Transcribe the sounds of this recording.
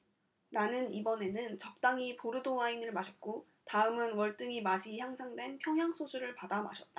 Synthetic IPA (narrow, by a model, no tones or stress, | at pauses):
nanɯnibʌne̞nɯnt͡ɕʌk̚t͈aŋipoɾɯdoainɯɭmaɕʰʌt̚k͈o | taɯmɯnwʌɭt͈ɯŋimaɕʰiçjaŋsʰaŋdwe̞npʰjʌŋɦjaŋsʰod͡ʑuɾɯɭpadama̰ɕʰʌt̚t͈a